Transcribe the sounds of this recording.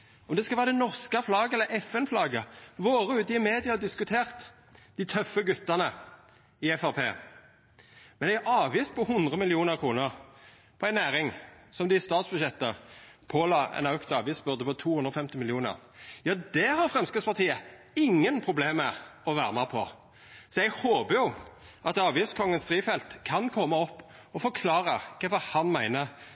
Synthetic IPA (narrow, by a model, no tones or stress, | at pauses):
ɔmd̪ɛskɑlʋæːʁɾəd̪ɛnɔʁskɑflɑːɡəɛlːəɾɛfɛnflɑːɡəʋoːʁəʉːt̪ɪɪəmeːd̪ɪɑɑd̪ɪskʉt̪ʰeːʁt̪ | d̪̥ɪt̪ʰœfːəɡʉt̪ːɑnə | ɪɛfɑpʰeː | mɛnæɪæʔɑːʋjiːst̪̚pʰɔhʊnd̪ʁəmɪlɪuːnəʁkʰʁuːnəʁ | pʰɔæɪnæːʁɪŋsɔmd̪ɪst̪ɑːt̪sbʉʃɛt̪ːəpʰoːlɑːɛ̰nɑʉkt̪ɑːʋiːsbʉʁd̪əpɔt̪ʰuːhʉnɾɔfɛmt̪ɪmɪlɪuːnə̰ʁ | jɑːd̪ɛhɑʁfʁɛmskəspɑʁt̪ʰiːə | ɪŋːənpʰʁʊbleːməɔʋæːʁəmæpʰɔ | sɔjɛɡhoːbəjʊ | ʔɑt̪ɑːʋjiːfskʰɔŋːənst̪ʁiːfɛlt̪kʰɑnkʰɔmːəɔpː | ɔfɔʁkʰlɑːʁəkʰɛfɔʁhɑnmæɪnəʁ